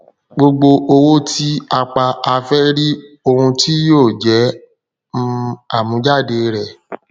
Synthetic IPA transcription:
ɡ͡bo˧ɡ͡bo˧ʔo˧wo˦tʰi˦a˧k͡pa˧ʔa˧fɛ˦ɾi˦ | o˧hũ˧tʰi˦joː˦˨d͡ʒɛ˨˦ | m̩̃˦a˦˨mũ˨˦d͡ʒa˦˨de˨˧ɾɛ˨

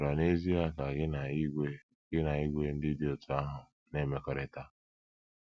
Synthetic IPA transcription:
ɾa˨ne˦zi˦a˦ka˨ɡn˨˦ɡe˦ | ɡ̥ɪ˦na˨i˦ɡʷe˦n̩˦dɪ˦dɪ˦o˨tʊ˨a˦ɦʊ˨ | ne˦me˨kɔ˨ɾɪ˨ta˦

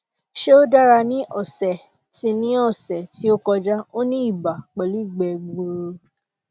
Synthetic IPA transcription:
ʃe˦o˦da˦ɾa˧nĩ˦ʔɔ˦˨sɛ˨ | ti˧nĩ˦ɔ˦˨sɛ˨ti˨˦o˦kɔ˧d͡ʒa˦o˦nĩ˦i˦˨ba˨k͡pɛ˨lu˨˦i˦˨ɡ͡bɛ˨ɡ͡bo˧˨ɾo˧

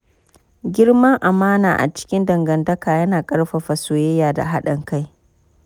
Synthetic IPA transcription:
ɡʲɪ˦ɽmɐ˦ŋʔa˨maː˦na̰ː˨ʔa̰˨t͡ʃɪ̥˦kʲɪ˦ndɐ˨ŋɡɐ˨ndɐ˦kaː˨jɐ˦naː˨kʼɐ˦ɽɸɐ˨ɸa˨soː˨jɛ˦jaː˨da̰˨ɦa˦ɗɐ˨ŋka˦j

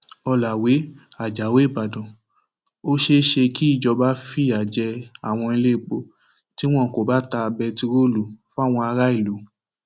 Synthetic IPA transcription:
ɔ˧la˨we˨˦a˨d͡ʒa˨we˨˦˨ba˨dɔ̃˨ | o˦ʃe˦ʃe˧ki˦i˦˨d͡ʒɔ˧ba˦fi˦˨a˨d͡ʒɛ˧a˨w̃ɔ̃˧i˧le˦˨k͡po˦ | ti˦w̃ɔ̃˦˨ko˨ba˦ta˧bɛ˧ti˧ɾo˦lu˨˦fa˦˨w̃ɔ̃˧a˧ɾa˦i˦˨lu˨˦

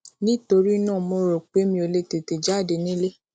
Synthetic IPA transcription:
nĩ˦to˧ɾi˦nã˦˨mõ˧ɾo˨k͡pe˨˦mĩ˧o˨le˧te˨te˨d͡ʒa˦˨de˧nĩ˦le˦

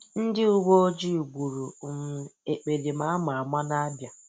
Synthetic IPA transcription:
n̩˦dɪ˦u˦ɡʷo˦o˦d͡ʒi˦˨ɡʷu˨ɾu˨m̩˨e˨k͡pe˨di˨ma˨a˦ma˨a˨ma˦na˦a˦bja˨

